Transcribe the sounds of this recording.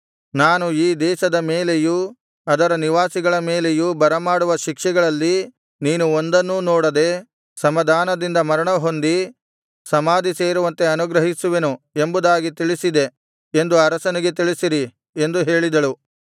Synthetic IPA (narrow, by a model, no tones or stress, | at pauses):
naːnuiːd̪ɛːʃɐd̪ɐmeːle̞ju | ɐd̪ɐɾɐniʋaːsiɡɐɭɐmeːle̞jubɐɾɐmaːɽuʋɐʃikʂɛɡɐɭɐlːi | niːnuond̪ɐnːunɔːɽɐd̪e | sɐmɐd̪ʱaːnɐd̪ind̪ɐmɐɾɐɳɐɦo̞nd̪i | sɐmaːd̪iseːɾuʋɐnt̪e̞ɐnuɡɾɐɦisuʋenue̞mbud̪aːɡit̪iɭisid̪e̞ | end̪uɐɾɐsɐniɡe̞t̪iɭisiɾi | e̞nd̪uɦe̞ːɭid̪ɐɭu